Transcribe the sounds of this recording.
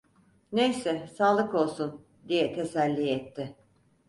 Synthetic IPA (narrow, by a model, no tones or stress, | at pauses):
nejsɛsaːlˠɯko̞lˠsun | d̪ijɛt̪ʰe̞sælʲːijɛt̪ʰːɪ